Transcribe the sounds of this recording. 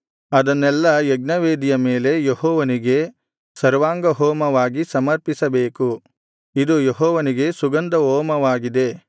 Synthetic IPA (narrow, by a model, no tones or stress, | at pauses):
ɐd̪ɐnːɛlːɐjeɡ̚nɐʋeːd̪ijɐmeːle̞jehɔːʋɐniɡe̞ | sɐɾʋaːŋɡɐɦɔːmɐʋaːɡisɐmɐɾpisɐbeːku | id̪ujeɦɔːʋɐniɡe̞suɡɐnd̪ɐɦɔːmɐʋaːɡid̪e̞